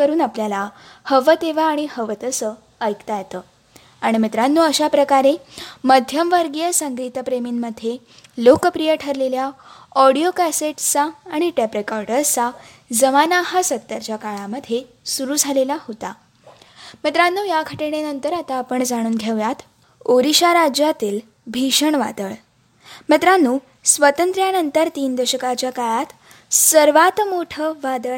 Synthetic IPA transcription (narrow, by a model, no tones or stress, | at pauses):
əɾuːnapljala | həʋət̪eʋaːɽ̃ihəʋət̪əsəː | jkt̪ajet̪əː | aɽ̃imit̪ɾanːuːəɕapɾəkaɾeməd̪ʱjəmʋəɾɡijəsəŋɡɾit̪əpɾemiːnməd̪ʱje | lokəpɾijəʈʰəɾleljaɔɽijokæseʈt͡saːɽ̃iʈepɾekaɾʈəɾt͡sad͡zəmanaɦasət̪ːəɾt͡ɕjakaɭaməd̪ʱje | suɾuːd͡zʱalelahot̪a̰ | mət̪ɾanːuːjakʰəʈeɽ̃enənt̪əɾat̪aːpəɳd͡zaɽ̃uːnɡʱeʋjat̪ | oɾiɕaɾad͡ʑjat̪iːl | bʱiɕəɳʋa̰d̪əɭ | mət̪ɾanːuː | sʋət̪ənt̪ɾjanənt̪əɾt̪iːnd̪əɕəkat͡ɕjakaɭat̪ | səɾʋat̪moʈʰəʋad̪əɭ